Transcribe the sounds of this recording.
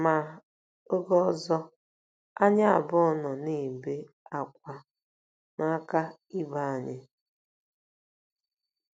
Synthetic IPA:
ma˨ | o˦ɡɔ˦ɔ˦zɔ˦ | a˦ɲa˦a̰˨bɔ˦ɔ˦˨nɔ˨ni˦˨be˦ | a˨kʷa˦ | na˦ka˦i˦ba˦a˨ɲɪ˦

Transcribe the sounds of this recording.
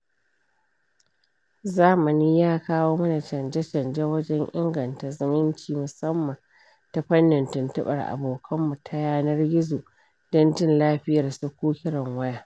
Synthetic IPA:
zaː˦mɐ˨niː˦jaː˦kaː˦woː˦mɐ˦na˨t͡ʃɐ˨nd͡ʒɛ˦t͡ʃɐ˨nd͡ʒɛ˦wɐ˦d͡ʒɛ˦ŋʔɪ̰˦ŋɡɐ˨nta˨zɪ˦mɪ˦nt͡ʃiː˨mʊ˨sɐ˦mːɐ˨n | ta˨ɸɐ˦nːɪ˨ntɪ˨ntɐ˦ɓɐ˨rʔa̰˨boː˨kʰɐ˦mːu˨tʰɐ˦jaː˦nɐ˦rɡʲɪ˦zu˨ | d̥ɔ˦nd͡ʒɪ˦nlaː˦ɸɪ˦jɐ˨rsu˦kʷuː˦kʲɪ˦ɽɐ˨ŋwɐ˦jaː˦

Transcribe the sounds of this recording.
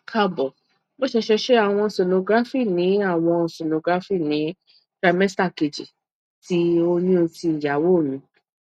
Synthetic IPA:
kʰa˧˦bɔ˨ | bo˦ʃɛ˧ʃɛ˧ʃe˦a˦˨w̃ɔ̃˧˨se˨no˧ɡɾa˦fi˦˨nĩ˨˦a˦˨w̃ɔ̃˧˨se˨no˨ɡɾa˦fi˦˨nĩ˨˦ | dɾa˨˧˦mɛ˦sta˦˨ke˨d͡ʒi˨ | ti˨˦o˧nĩ˦o˧ti˧n̩˨d͡ʒa˨˦wo˦˨mĩ˧˦

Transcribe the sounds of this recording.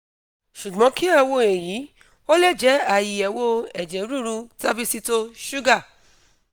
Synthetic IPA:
ʃu˨ɡ͡bɔ̃˨˦ki˦a˦˧wo˧e˨ji˨˦ | o˦lɛ˦˨d͡ʒɛ˨˦a˨ji˨ɛ˨wo˦ɛ˨d͡ʒɛ˨˦ɾu˦˨ɾu˧˦ta˦bi˧si˧to˧ʃu˦ɡa˦˨

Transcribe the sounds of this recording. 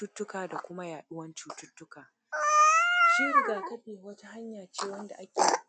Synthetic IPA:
ʊ˦tːʊ˦kaː˨da˨kʷʊ˦ma˦jaː˨ɗʊ˦wɐ˦nt͡ʃuː˦tʊ˦tːʊ˦kaː˨ | ʃiː˦ɾɪ˨ɡaː˨kɐ˦ɸeː˨wɐ˦ta˦ha˦ɲjaː˨t͡ʃeː˦wɐ˦nda˨ʔa˦kʲeː˨˦

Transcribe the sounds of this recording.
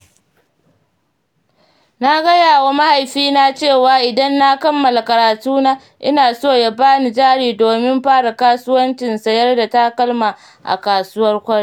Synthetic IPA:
na˦ɡɐ˦jaː˨wa˦ma˦ha˨jɸiː˦na˦t͡ʃeː˦˨waː˨ʔɪ˨dɐ˦nːa˦kɐ˦mːɐ˨la˨kɐ˨ɾaː˨tuː˦naː˦ | ʔɪ˦naː˨soː˦˨ja˦baː˦ni˨d͡ʒaː˦˨ɽiː˨doː˨mɪ˦mɸaː˦ɽa˨kaː˦sʊ˦wɐ˦nt͡ʃɪ˨nsɐ˨jɐ˦rda˨ta˦kɐ˦lma˨ | ʔa̰˨kaː˨sʊ˦wɐ˦rkʷɐ˦ɽi˦

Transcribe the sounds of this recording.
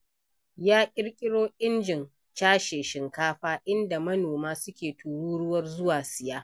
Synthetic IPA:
jaː˦kʲʼɪ˦rkʲʼɪ˦ɽoː˦ʔɪ˦nd͡ʒɪ˨n | t͡ʃaː˦ʃeː˨ʃɪ˨ŋkaː˦ɸaː˦ʔɪ˦nda˨mɐ˦noː˨maː˦sʊ˦kʲeː˨tʰuː˨ɽuː˦ɽʊ˦wɐ˦rzʊ˦waː˨sɪ˨jaː˦

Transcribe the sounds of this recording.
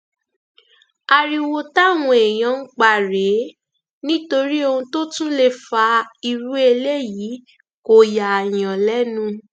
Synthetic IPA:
a˧ɾi˧wo˧ta˦˨w̃ɔ̃˧e˨j̃ã˧ŋ̩˦k͡pa˦˨ɾe˨˦ | nĩ˦to˧ɾi˦o˧ũ˧to˦tũ˦le˧fa˧i˧ɾu˦e˧le˦jiː˨˦ | ko˨ja˨j̃ã˨lɛ˦nũ˦

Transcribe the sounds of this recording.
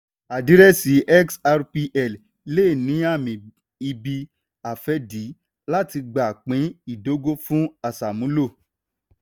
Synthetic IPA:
a˨di˨˦ɾɛ˦si˨˦ʔɛ˦ksa˧ɾpi˧ʔɛ˦˨l | le˦˨nĩ˨˦a˦˨mĩ˨ | i˧bi˧ | a˨fɛ˨˦di˨˦ | la˦ti˧ɡ͡ba˨k͡pĩ˨˦i˦˨do˨˦ɡo˦fũ˦a˦˨sa˨mũ˨˦lo˦˨

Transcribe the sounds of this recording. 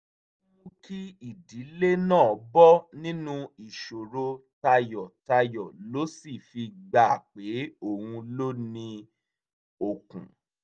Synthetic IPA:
ũ˦kʰi˦i˨di˨˦le˦nãː˦˨ɔ˨˦bɔ˦nĩ˦nũ˦i˨ʃo˨ɾo˧ta˧jɔ˨ta˧jɔ˨lo˨˦si˦˨fi˧ɡ͡ba˨k͡pe˨˦o˦˨hũ˧lo˦nĩ˧ | o˨kṵ̃˨

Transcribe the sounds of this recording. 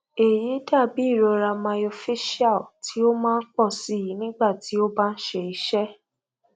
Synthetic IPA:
e˨ji˨˦da˦˨bi˨˦i˦˨ɾɔ˧ɾa˧mã˧o˧fi˦ʃi˦a˦˨lti˨˦o˦mãː˦˧n̩˦k͡pɔ˦˨si˨˦˨ji˨˦nĩ˦ɡ͡ba˦˨ti˨˦o˦ba˦n̩˦ʃe˧˨i˨˦ʃɛ˦

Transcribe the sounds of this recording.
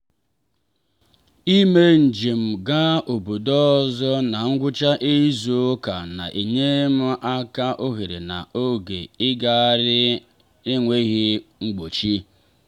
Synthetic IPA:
i˦me˦n̩˨d͡ʒi˨m̩˨ɡa˦o˨bu˨dɔ˦˨zɔ˦na˨ŋ̩˦ɡʷʊ˦t͡ʃa˦ʔe˦zu˦o˦ka˨na̰˨ʔe˨ɲe˦m̩˦ʔa˦ka˦ʔo˦ɦe˨ɾḛ˨na˨ʔo˦ɡe˨ɪ˦ɡa˦ɾɪ˦ | ɪ˦ŋʷe˦ɣi˦ŋ͡m̩˦ɡ͡bo˨t͡ʃi˦

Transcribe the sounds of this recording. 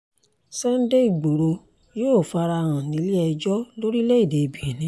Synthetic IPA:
sɛ˦n̩˦de˦i˦˨ɡ͡bo˨ɾo˧ | joː˦˨fa˧ɾa˧ɾ̃ã˨nĩ˨˦li˦ɛ˧d͡ʒɔ˦lo˦ɾi˦lɛ˦i˦˨de˨bi˨ɾi˨nĩ˨˦

